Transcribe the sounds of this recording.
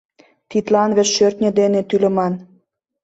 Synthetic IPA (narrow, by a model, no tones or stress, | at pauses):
t̪it̪lɑnβɘ̆t͡ɕʃørt̪nʲĕd̪enet̪ylə̆mɑn